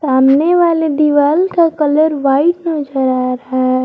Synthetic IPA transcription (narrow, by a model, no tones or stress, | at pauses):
saːmneʋaled̪iʋaːlkakələɾʋaːɪtnɔːd͡ʒəɾaɾəɦaɦɛ